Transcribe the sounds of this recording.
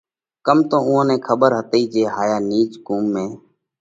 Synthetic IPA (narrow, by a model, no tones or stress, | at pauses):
kəmt̪õːũːãːnẽːkʰəɓəɾɦət̪iːd͡ʒeːɦaːjaːniːt͡ʃkuːmːẽː